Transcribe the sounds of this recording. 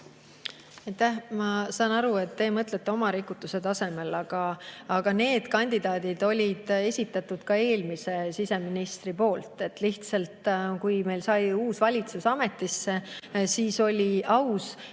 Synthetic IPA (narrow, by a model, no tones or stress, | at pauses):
ɑjt̪ːæhmɑsɑːnɑɾue̞t̪ːe̞ːmɤt̪let̪ːe̞o̞mɑɾikːˑut̪ːˑuse̞t̪ɑse̞me̞lɑɡ̥ɑɑɡ̥ɑne̞ːd̪̥kɑnʲd̪̥id̪ɑːd̪̥id̪o̞lʲid̪̥e̞sʲit̪ːˑɑt̪ːˑud̪̥kɑe̞ːlmise̞sise̞minist̪ripo̞ːlt̪ˑe̞t̪ːliht̪sɑlt̪kujme̞jlsɑjuːsvɑlʲit̪susɑme̞t̪ːisːe̞siːso̞lʲiʔɑws